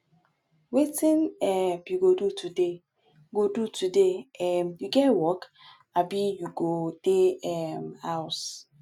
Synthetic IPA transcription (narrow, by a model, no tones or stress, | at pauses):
wetinɛpjuɡodutude | ɡodutudeɛmjuɡɛtwɔk | abijuɡod̥eɛmhaʊs